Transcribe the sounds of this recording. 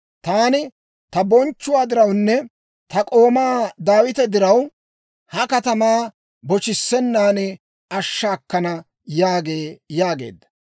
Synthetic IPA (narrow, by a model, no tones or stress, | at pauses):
t̪aːnɪ | t̪ɐbɔnt͡ʃːʊwaːd̪ɪɾɐwnːɛ | t̪ɐkʼo̞ːmaːd̪aːwɪt̪ɛd̪ɪɾɐw | hɐkɐt̪ɐmaː | bɔt͡ʃɪsːɛnːaːnɪ | ɐʃːaːkːɐnɐ | jaːɡe̞ːjaːɡe̞̰ːd̪ːɐ̥